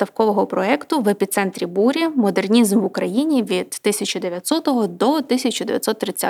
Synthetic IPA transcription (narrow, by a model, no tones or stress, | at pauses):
t̪ɐwkɔʋɔɦɔpɾɔɛkt̪ʊʋepʲit̪sɛnt̪ɾʲibuɾʲɐmɔd̪ernʲizmʋʊkɾɐjinʲiʋʲid̪̥ːɪsʲɐt͡ʃʊd̪eʋʲjɐt̪ʲsɔt̪ɔɦɔd̪ɔt̪ɪsʲɐt͡ʃʊd̪eʋʲjɐt̪ʲsɔt̪ːɾɪt͡sʲːa